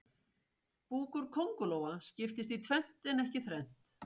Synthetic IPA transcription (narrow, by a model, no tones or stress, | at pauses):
puːkʏɾ̥kʰowŋkʏloːwascɪft̪ɪst̪it̪ʰvɛn̥t̪ɪnɛhcɪθɾɛn̥t̪